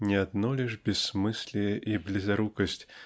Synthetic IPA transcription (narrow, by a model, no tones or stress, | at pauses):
nʲɛad̪̚nɔlʲɛʂbʲɛsmɨsʲlʲɛʔiblʲizaɾukɐsʲt͡sʲ